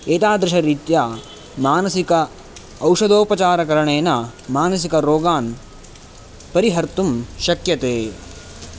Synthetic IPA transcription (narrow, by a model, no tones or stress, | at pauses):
eːt̪aːd̪ɾɪʂɐɾiːt̪jaː | maːnɐsikɐː | wʂɐd̪oːpɐt͡ʃaːɾɐkɐɾɐɳeːnɐmaːnɐsikɐɾoːɡaːn | pɐɾiɦɐɾt̪umʃɐkjɐt̪eː